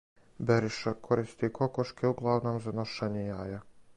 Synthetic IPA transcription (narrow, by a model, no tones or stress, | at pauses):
beɾiʃakʰoɾist̪ikʰo̞koʃkʰeuɡlˠaʋno̞ːmzanoʃaːɲejaːja